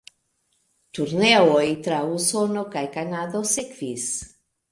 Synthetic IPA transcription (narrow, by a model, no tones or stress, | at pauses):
t̪uɾneojt̪ɾausonokajkanadosekvis